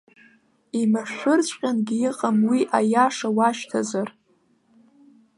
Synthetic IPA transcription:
imaʃᶣʷʊrt͡ɕʷʰʼqʲʼanɡʲiiqʼamwiʔajaʂawaʃtʰazar

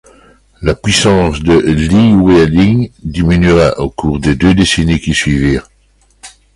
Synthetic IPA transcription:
lapɥisɑ̃ːsd̪əliweliŋd̪iminɥiʁaʔokuːʁd̪ed̪ød̪esenekʲisɥiviːʁ

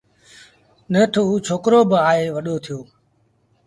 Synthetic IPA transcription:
neːt̪ʰuːt͡ʃʰoːkɾoːbaːɦeːʋəɗoːt̪ʰɪjoː

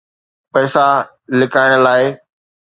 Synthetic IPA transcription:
pɐːsa | lɪkaːɪɽ̃laːɪ

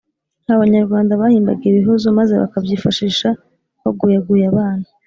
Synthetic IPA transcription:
n̥haβaɲaɾɡwaːndaβahiːmbaɡiiβiɦozo̞maze̞βa̰kabjiːfaʃiːʃa | βaɡujaɡuːjaβaːna

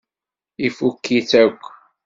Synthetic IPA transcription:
ifukːiθækʷː

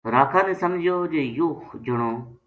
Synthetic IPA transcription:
ɾaːkʰãːnẽːsəmd͡ʒʱɪjoːd͡ʒeːjoːxd͡ʒəɳoː

